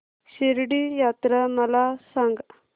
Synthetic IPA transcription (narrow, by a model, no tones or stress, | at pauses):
ɕiɾɖijaːt̪ɾamɐlasɐŋɡ